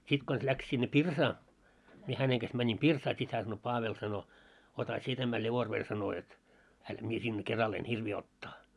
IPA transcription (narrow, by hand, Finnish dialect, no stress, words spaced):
sit kons læks sinːe pirsɑː mie hæneŋ ɡ̊ɑs mænʲim pirsɑː sit hæː sɑno pɑːʋel sɑno otɑ sie tæmæ lʲeʋorʋer sɑno jot hænt mie sinːe kerɑl en hirʋiː otːɑː